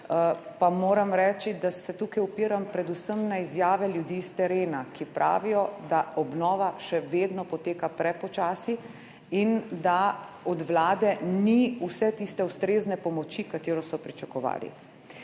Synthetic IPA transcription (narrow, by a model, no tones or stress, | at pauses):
pamoːɾamɾɛːt͡ʃid̪asɛt̪uːkajɔpiːɾampɾɛd̪usəmnaizjaːʋɛljud̪iːst̪ɛɾeːnakipɾʔa̰ːʋijɔd̪aɔbnɔːʋaʃɛʋeːd̪nɔpɔt̪eːkapɾɛpɔt͡ʃaːsi | ind̪a | ɔd̪ʋlaːd̪ɛniusɛt̪ist̪ɛust̪ɾeːznɛpɔmɔt͡ʃikat̪eːɾɔsɔpɾit͡ʃakɔʋa̰ːlḭ